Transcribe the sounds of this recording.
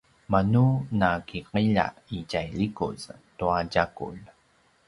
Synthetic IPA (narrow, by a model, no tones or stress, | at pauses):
manunakiqiʎa̰icajʎikṵztuaɟakṵl